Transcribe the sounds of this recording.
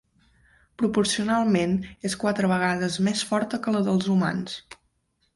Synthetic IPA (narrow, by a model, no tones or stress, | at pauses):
pɾupuɾsiunalˠmeneskwat̪ɾəβəɣ̞aðəzmesfɔɾt̪əkələðəlˠzuma̰ns